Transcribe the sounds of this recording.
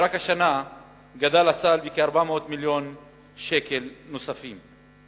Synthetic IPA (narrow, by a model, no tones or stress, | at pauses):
ɾakhaʃana | ɡad̪alat͡salbikeaɾbameot̪miljo̞n | ʃeke̞lnosafim